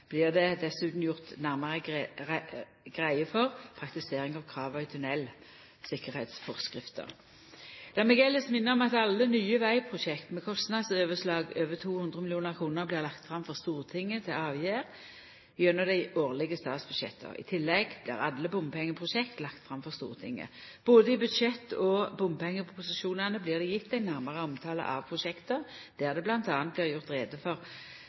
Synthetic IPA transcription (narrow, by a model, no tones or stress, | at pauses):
b̥lɪːʁd̪ɛd̪ɛsʉːt̪n̩jʊʁt̪næʁmɑʁə | ɡ̥ʁæɪəfɔʁpʰʁɑk̚t̪ɪseːʁɪŋɑʋkʰɾɑːʋœʏt̪ʰʉnɛl | sɪkəʁhɛɪt̪sfɔʁskʁɪft̪ə̰ʁ | d̪̥ɑːʁmɛɡɛlːəsmɪnːəʁɔmɑt̪ɑlːənyːəʋæɪpʰʁʊʃɛkt̪mɛkʰɔst̪nɑd̪søːʋəslɑːɡøːʋət̪ʰuːhʉnd̪ʁəmɪlɪuːnəʁkʰʁuːnəʁblɪːʁlɑkt̪fʁɑmfɔʁst̪uːʁt̪ʰɪŋːət̪ʰɪlɑːʋjæːʁ | bjœnɔd̪æɪoːʁlɪɡəst̪ɑːt̪sb̥ʉd̪ɕɛ̰t̪ʰːə̰ɪ̰t̪ʰɪlːɛɡb̥lɪ̰ːʁɑ̰lːəbʊmpʰɛŋːəpʰʁʊʃɛkt̪lɑkt̪fʁɑmfɔʁst̪ṵːʁt̪ʰɪ̰ŋːə̰b̥oːd̪əɪbʉd̪ʃɛt̪ːɔbʊmpʰɛŋːəpʰɔpʰʊsɪʃuːnɑnəblɪːʁd̪ɛjɪt̪ːæɪnæʁmɑʁəɔmt̪ʰɑːlə̰ʔɑ̰ʋpʰʁʊʃɛkt̪əʁ | d̪̥æːʁd̪ɛblɑnt̪ɑːnt̪̚blɪːʁjʊʁt̪ʁeːd̪əfɔʁ